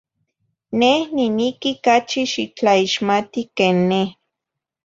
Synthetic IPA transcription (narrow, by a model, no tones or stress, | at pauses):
nehninikikat͡ʃiʃit͡ɬaiʃmat̪ikeːnːeh